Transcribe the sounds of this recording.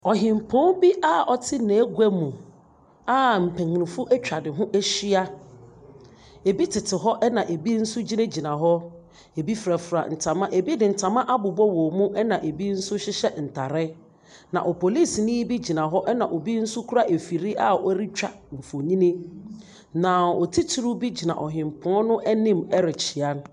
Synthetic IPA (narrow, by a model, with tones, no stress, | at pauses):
ɔ˨ɦɪ̃˨m˨pʰɔ̃˦nbi˦ʔa˦ʔɔ˨tʰɪ˦nɛ̃˨˦ɡu˦æ˦mũ˨ | a˦m̩˨pʰɛ̃˨ŋ˨nɪ̃˨fʊ˦ʔɛ˦t͡ɕᶣa˨dɪ˨ɦʊ̃˦ʔæ˦ɕi˦a˦ | e˨bi˦tʰɪ˨tʰɪ˨ɦɔ˦ʔɛ˦nã˨ʔe˨bi˦n̩˦sʊ˦d͡ʑi˦nẽ˦d͡ʑi˨nã˨ɦɔ˦ | e˨bi˦fɾa˨fɾa̰˨n̩˨tʰã˨mã˦ʔe˨bi˦dɪ˨n̩˨tʰã˨mã˦ʔa˦bʊ˨bɔ˦wɔ˨mũ˦ʔɛ˦nã˨ʔe˨bi˦n̩˦sʊ˦ɕɪ˦ɕɛ˦n̩˨tʰa˨ɾɪ˦ | nã̰˨ʔɔ˨pʰo˨li˦snɪ̃˦bi˦d͡ʑi˨nã˨ɦɔ˦ʔɛ˦nã˨ʔo˨bi˦n̩˦sʊ˦kʰu˦ɾa˦˨ʔe˨fi˨ɾi˦ʔa˦ɔ˦ɾi˦t͡ɕᶣa˨ | m̩˨fo˨ɲĩ˦nĩ˦ | nã˨ɔ˨tʰi˦tʰu˨ɾu˦bi˦d͡ʑi˨nã̰˨ʔɔ˨ɦɪ̃˨mpʰɔ̃˦nʊ̃˦ʔɛ˦nɪ̃˦mɛ˦ɾɪ˨t͡ɕʰi˨a˦n˦